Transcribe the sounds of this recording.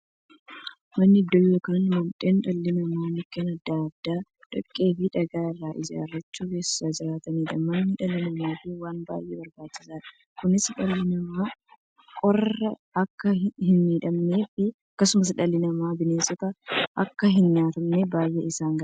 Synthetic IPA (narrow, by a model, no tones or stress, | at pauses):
mɐnːɪɪd̪ːɔjːoːkɐnmɔnt̪ʼeːnᶑɐlːɪnɐmaːmɪkːeːnɐd̪ːaɐd̪ːaː | ᶑ̥ɐkʼːe̞ːfɪᶑɐɡaːɪrːaːʔɪd͡ʒa̰ːrːɐt͡ʃːuːɡe̞ːsɪ̥saːd͡ʒɪɾaːt̪ɐmiːᶑ̪ɐmɐnːɪᶑɐlɪnɐmeːfɪwaːnba̰ːjʔeːbɐɾbaːt͡ʃːɪsaːᶑɐ̥ | kʊnɪsᶑɐlːɪnɐmaː | kʼɔrɐ | ɐkːɐhɪnmiːᶑɐmne̞ːfɪɐkːɐsʊmɐs̬ᶑɐlːɪnɐmaːbɪneːsɔt̪ɐʔɐkːɐɦɪnɲaːt̪ɐmnebaːjʔːḛɪsaːŋɡɐ